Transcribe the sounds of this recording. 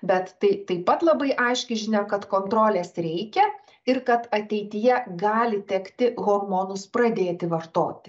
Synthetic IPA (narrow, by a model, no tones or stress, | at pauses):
bʲɛt̪t̪ɐɪt̪ɐɪpɐt̪lˠɐbɐɪʔɐɪʃʲkʲɛɪʒʲɪnʲɛkɐt̪koːnt̪ɾoːlʲeːsɾʲɛɪkʲɛ | ɪrkɐt̪ɐt̪ʲɛɪt̪ʲɪjɛɡɑːlʲɪt̪ʲɛkt̪ʲɪɣoːrmoːnʊspɾɐd̪ʲeːt̪ʲɪʋɐrt̪o̰ːt̪ʲɪ̥